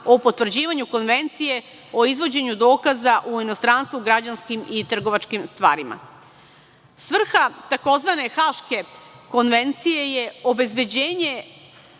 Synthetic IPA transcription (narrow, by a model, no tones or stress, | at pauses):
o̞po̞t̪ʋr̩d͡ʑiːʋaɲuko̞nʋe̞nt̪sije̞ | o̞izʋo̞d͡ʑe̞ɲud̪o̞ːkazaʔuino̞st̪ɾanst̪ʋuɡɾad͡ʑanskimit̪r̩ɡo̞ʋat͡ʃkimst̪ʋaːɾima̰ | sʋr̩xat̪ako̞zʋane̞xaʃke̞ko̞nʋe̞nt̪sije̞je̞o̞be̞zbe̞d͡ʑe̞ːɲe̞